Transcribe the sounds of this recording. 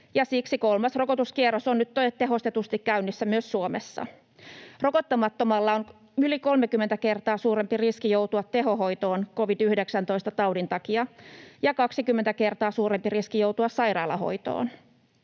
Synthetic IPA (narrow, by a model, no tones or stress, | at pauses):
jɑsiksiko̞lmɑsro̞kot̪uskierːosonnyt̪t̪ːot̪eɦo̞st̪et̪ust̪ikkæynːisːæmyøsːuomesːɑ̰ | ro̞kot̪ːɑmɑt̪ːomɑlːɑon | yliko̞lmekymːent̪æke̞rt̪ɑːsuːɾempiriskijowt̪uɑt̪t̪e̞ɦo̞ho̞jt̪o̞ːnko̞ʋidyhdeksænt̪oist̪ɑt̪ɑwdint̪ɑkiɑjɑkɑksikymːent̪æke̞rt̪ɑːsuːɾempiriskijowt̪uɑssɑjɾɑːlɑ̰ɦo̰jt̪o̰ːn